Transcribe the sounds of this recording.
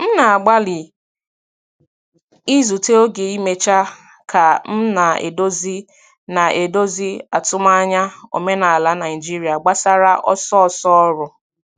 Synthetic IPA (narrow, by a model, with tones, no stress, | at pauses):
n̩˦na˨a˨ɡ͡ba˦li˨ | i˦zu˨te˦o˦ɡe˨i˦me˨t͡ʃa˦ | ka˨n̩˦na˨ḛ˨do˦zi˦ | na˨ʔe˨do˦zi˦a˨tʊ˦ma˦a˦ɲa˦o̰˨me˦na˨a˨la˦na˨ɪ˨d͡ʒi˦ɾi˨a˨ɡ͡ba˦sa˦ɾa˦ʔɔ̰˦sɔ˦ɔ˦˨sɔ˦ɔ˦ɾʊ˨